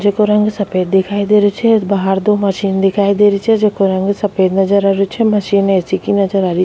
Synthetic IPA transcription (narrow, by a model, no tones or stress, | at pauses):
d͡ʒekoɾɐ̃ŋɡsɐpeːd̪̚ːɪkʰaːid̪eɾet͡ʃʰɛbaɦaɾd̪omɐʃiːnd̪ɪkʰaːid̪eɾit͡ʃʰɛd͡ʒeːkoɾɐ̃ŋɡsɐpeːd̪nɐd͡ʒəɾaɾot͡ʃʰɛmɐʃiːnesikinɐd͡ʒəɾaɾi